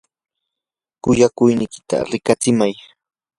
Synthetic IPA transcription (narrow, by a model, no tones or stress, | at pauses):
kʊjakʊjnɪjkɪ̥t̪a̰ɾɪkat͡sɪmaj